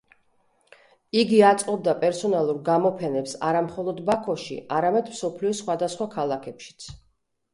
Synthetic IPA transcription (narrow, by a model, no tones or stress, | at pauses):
iɡiat̪sʼqʼɔb̚d̪apʼɛɾsɔnalˠuɾɡamɔpʰɛnɛpsa̰ɾamχɔlˠɔd̪bakʰɔʃḭʔaɾamɛd̪msɔpʰliɔsχwad̪asχwakʰalˠakʰɛpʃi̥t̪sʰ